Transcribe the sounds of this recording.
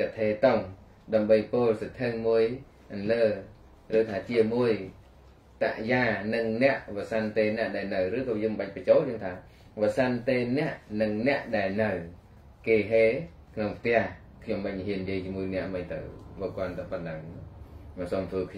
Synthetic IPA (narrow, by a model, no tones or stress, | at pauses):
kat̪ʰeːt̪oŋ | ɗaəmɓəjpoːlsət̪ʰɨŋmuəj | ʔənləː | rɨːt̪ʰaːt͡ɕiəmuəj | t̪a̰ʔjaːnɨŋnɛ̆əʔʋasant̪eːnɛ̆əʔɗaɛlnɨwɾɨːkɔːjəːmɓac̚prət͡ɕoːljəːŋt̪ʰaː | ʋasant̪eːnɛ̆əʔnɨŋnɛ̆əʔɗaɛlnɨw | keːɦeː | kʰnoŋpʰt̪ɛ̆əh | kʰɲomɓac̚niɦiənjiəjt͡ɕiəmuəjnɛ̆əʔmɨjt̪ɨ̰wʋoːkŏənt̪ɨwpɨnlaːəŋ | ɔsoːmt̪ʰʋəːkʰ